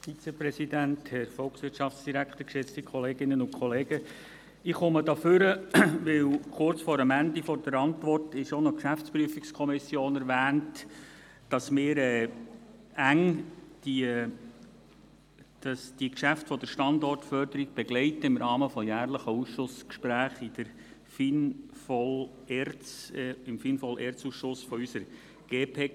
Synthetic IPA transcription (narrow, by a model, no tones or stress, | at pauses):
fit͡sɛpɾɛsidænthɛɾfɔlˠksʋɪtʃɑft͡ssd̥iɾækχt̪əkʃɪt͡stikʰɔleːɡɪnənʊnkʰɔleːɡ̥ə | ɪχʊmədɑfʏɾəʋɪwχʊrt͡sfɔɾəmændifɔɾd̥əɾɑntʋɔrtɪʃonɔkʃæft͡spɾyəfikskʰɔmɪsjoːnɛɾvæːnt | d̥ɑsmɪːɾɛː | æŋd̥i | d̥ɑsd̥ikʃæftfɔd̥̪əɾʃtɑndɔrtfœɾd̪əɾiɡ̚b̥ɛɡlɛɪtəɪmɾʔɑːməfɔjæːrləχəusʃʊskʃpɾæːχɪd̥̪əɾ | finfɔl | eɾt͡sɪmfinfɔlʔeːɾt͡suːsʃʊsfɔysəɾ | ɡ̥eːpʰeː